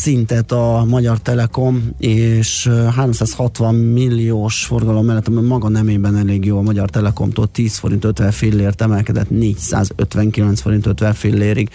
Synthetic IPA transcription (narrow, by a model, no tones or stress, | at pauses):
sint̪ɛt̪ɒmɒɟɒrt̪ɛlɛko̞meːʃɦaːɾo̞msaːshɒt̪ʋɒmːilːioːʃfo̞̰rɡɒlo̞mːɛlːɛt̪ːɒmɛmɒɡɒnɛmeːbɛnɛleːɡjoːɒmɒɟɒrt̪ɛlɛko̞̰mt̪oːlt̪iːsfoɾint̪øt̪ʋɛfilːeːrt̪ɛmɛlkɛd̪ɛ̰t̪neːcsa̰ːzø̰t̪ʋɛŋkilɛnt̪sfo̞ɾint̪øt̪ʋɛfilːeːɾiɡ